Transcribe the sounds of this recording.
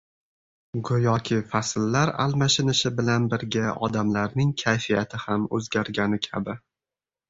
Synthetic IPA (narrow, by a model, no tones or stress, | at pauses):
ɡʊjɒkʲʰɪfaslːaɾa̰lˠmaʃɪnɪʃɪbɪlanbɪɾɡʲaɒ̰d̪amlaɾnɪŋkʲʰajfijat̪ʰɪhamɵzɡʲaɾɡʲanɪkʲʰabɪ